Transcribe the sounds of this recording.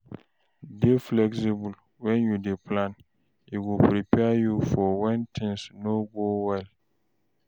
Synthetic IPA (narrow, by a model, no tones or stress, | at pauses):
deflɛksibul | wɛ̃njudeplãn | iwupɾipɛajufɔwɛ̃ntʰɪ̃nsnobowɛl